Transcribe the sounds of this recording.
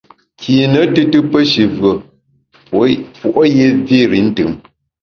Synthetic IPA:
kʰiː˨nə˨˦tɨ˦tɨ˦pə˦ʃi˨vɰə˨ | fu˨ʔo˦je˦vi˦ɾi˨˦n̩˦tɨ̰˨m

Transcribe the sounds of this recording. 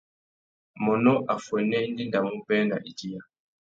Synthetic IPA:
mɔ˨nɔ˦ʔa˨fɛ˨nːɛ˦ndi˦nda˨mu˦bɛ˦na̰˨ʔi˨d͡ʒi˦ja˨

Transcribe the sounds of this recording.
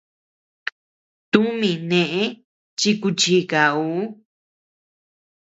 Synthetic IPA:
t̪u˦mĩ˨nẽ˨ʔẽ˦ | t͡ʃi˧ku˧t͡ʃi˧˦ka˨u˨˦

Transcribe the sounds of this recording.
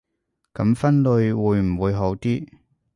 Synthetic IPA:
kɐ˨˥mfɐ˥nlɵ˧ɥwuː˨˧jm̩˨˩wuː˨˧jɦo˨˥wt̪iː˥

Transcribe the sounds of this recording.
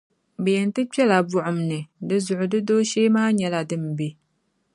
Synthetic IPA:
bɛ˨jɛ˨ntɨ˦pɛ˦la˨bʊ˦ʔʊ˨m˨nɨ˨dɨ˦zʊ˨ʔʊ˨dɨ˦doː˦ʃeː˦maː˦ɲɛ˨la˨dɨ˦m˨be˨

